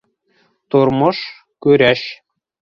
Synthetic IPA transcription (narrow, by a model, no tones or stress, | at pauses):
t̪urmɤ̆ʃ | kyɾʲæɕ